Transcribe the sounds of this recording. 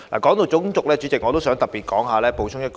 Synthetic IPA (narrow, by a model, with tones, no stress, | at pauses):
la̰ː˨kɔː˨˥ŋt̪o˧wt͡sʊ˨˥ŋt͡sʊ˨k̚lɛː˥t͡ʃy˨˥t͡sɪ˨k̚ŋɔː˨˧t̪o˥wsœː˨˥ŋt̪ɐ˨p̚piː˨t̚kɔː˨˥ŋɦaː˨˧lɛː˥po˨˧wt͡ʃʰʊ˥ŋjɐ˥t̚k